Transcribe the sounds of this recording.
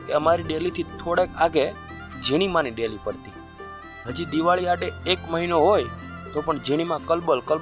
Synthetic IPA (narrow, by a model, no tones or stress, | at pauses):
keəmaɾiɖelit̪ʰit̪ʰoɽekaɡe | d͡ʒiɽ̃imãniɖelipəɽt̪i | ɦəd͡ʒid̪iʋaɭiaʈeːkməɦinoɦojt̪opəɳd͡ʒiɽ̃imãkəlbəlkəl